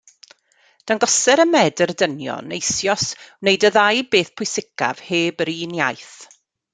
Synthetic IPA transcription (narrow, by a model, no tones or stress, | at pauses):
d̥anɡɔsɛɾəmɛdərdənjɔ̰nejsjɔsnejdəðajbeːθpʰʊjsɪkʰa̰v̥heːbəɾiːnjajθ